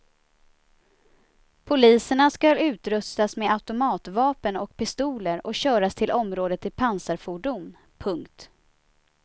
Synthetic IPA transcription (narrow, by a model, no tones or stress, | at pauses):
pʰʊliːsəɳaskalʉ̟ːt̪ɾɵst̪asmeːaʉt̪ʊmɑːt̪vɑːpənɔkpʰɪst̪uːləɾɔkɕœːɾast̪ʰɪlʔɔmɾoːd̪ət̪ʰːɪpʰansaɾfuːɖʊm | pʰɵŋkt̪